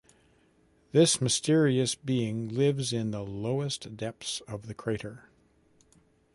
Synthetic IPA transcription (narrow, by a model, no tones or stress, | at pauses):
ðɪsmɨstɪɹiɨsb̥iɪ̃ŋlɪvzɪ̃nðəloʊəsd̥ɛp̚θsʌvðɨkʰɹ̥eɪɾə˞